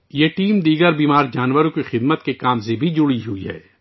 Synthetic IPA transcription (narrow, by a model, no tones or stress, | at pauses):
jeːʈiːmd̪iːɡəɾbiːmaːɾd͡ʒaːnwəɾõkixɪd̪mət̪kekaːmsebʱid͡ʒʊɽiɦuiɦɛ̰ː